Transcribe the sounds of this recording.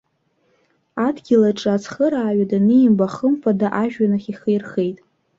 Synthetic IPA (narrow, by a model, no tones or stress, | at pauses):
adɡʲɪlaʈ͡ʂʼɨat͡sʰχəɾaːɥadanɨimbaχəmfʰʼadaʔaʒᶣanɨχʲiχejrχejtʼ